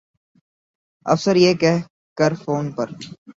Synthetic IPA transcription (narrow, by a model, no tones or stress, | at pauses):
ɐ̰fsəɾjeːkɛɦ | kɐɾfoːnpɐɾ